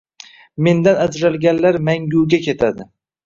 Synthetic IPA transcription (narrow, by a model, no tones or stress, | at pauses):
me̞nd̪anad͡ʒɾalɡʲanlaɾmaŋɡʲuwɡʲakʲʰe̞t̪ʰad̪ɪ